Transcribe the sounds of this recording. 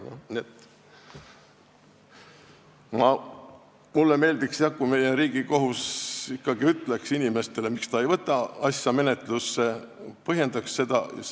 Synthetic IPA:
niet̪ | mɑ | mulːeme̞ːld̪iksjɑkume̞jeɾiːɡ̥iko̞ɦusikːɑɡ̥iyt̪ːˑleksinʲime̞st̪e̞le̞mikst̪ɑejvɤt̪ːˑɑɑsjɑme̞net̪ˑlusːe̞ | pɤɦje̞nd̪̥ɑksːe̞d̪̥ɑ̰

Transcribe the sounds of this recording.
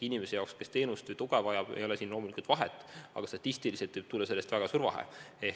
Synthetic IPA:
inime̞se̞jɑokske̞st̪e̞ːnust̪ɨt̪uɡ̥evɑjɑb̥ḛjo̞lesiːnlo̞ːmulʲikult̪vɑɦet̪ːˑɑ̰ɡ̥ɑst̪ɑt̪ʲːˑist̪iliset̪vɯɨjb̥̚t̪ulːɑse̞lest̪væɡ̥ɑsurvɑ̰ɦḛe

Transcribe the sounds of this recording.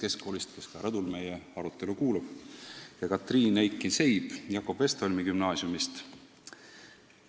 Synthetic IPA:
ke̞skkːo̞ːlist̪ke̞skɑɾɑd̪ulme̞je̞ɑɾut̪ːˑe̞lukuːlub̥jɑkɑt̪ːˑriːnejkːˑinse̞jb̥jɑkːˑo̞b̥est̪olʲmikymnɑːsjumist̪

